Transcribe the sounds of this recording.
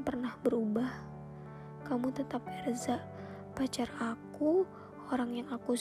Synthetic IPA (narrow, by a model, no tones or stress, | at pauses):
pərnahbəɾubah | kamut̪ət̪ap̚ɛrzaʔ | pat͡ʃaraku | oɾaŋjaŋaku